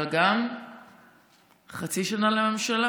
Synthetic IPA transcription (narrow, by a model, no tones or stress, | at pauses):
lɡam | χat͡siʃanaleme̞mʃala